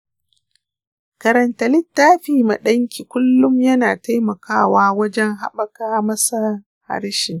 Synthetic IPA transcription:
kɐ˨ɾɐ˨ntɐ˨lɪ˦tːaː˦ɸiː˨ma˨ɗɐ˦ŋkʲi˨kʷʊ˦lːʊ˦mjɐ˦naː˨ta˦jmɐ˨kaː˦˨waː˦wɐ˦d͡ʒɛ˦ŋɦa̰˦ɓɐ˨kaː˦mɐ˦sa˦ | ha̰˦ɾʃɪ˨ŋ

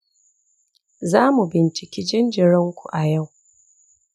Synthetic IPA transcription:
zaː˦mu˨bɪ˨nt͡ʃɪ˨kʲiː˦d͡ʒɪ˦nd͡ʒɪ˨ɽɪ˦ŋkʷu˨ʔa˨ja˦˨w

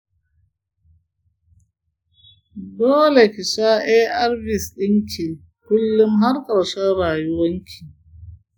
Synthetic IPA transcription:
doː˦le˨kɪ˨ʃa˦ʔe˦ʔa˦rbɪ˨sɗɪ˦ŋkʲʰi˨ | kʷʊ˦lːʊ˦mɦa˦rkʼɐ˨ɽʃɐ˦rɽaː˨jʊ˦wɐ˦ŋkʲʰi˨

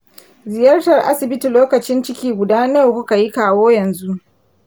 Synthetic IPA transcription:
zɪ˨jɐ˦rtɐ˨rʔa̰˦sɪ˨bɪ˦ti˨loː˦kɐ˨t͡ʃɪ˦nt͡ʃɪ˦kʲiː˦ɡʷʊ˨daː˦ne˦˨kʷʊ˦ka˨ji˦kaː˦woː˦jɐ˨nzu˦ʔ

